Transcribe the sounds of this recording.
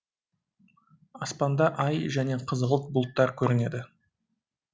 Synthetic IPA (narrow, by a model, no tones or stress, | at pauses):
ɑspɑnd̪ɑʔɑjʒæne̞qʰəzəʁəlˠt̪̚bʊlˠt̪ːɑɾkʲʰɵɾɪne̞d̪ɪ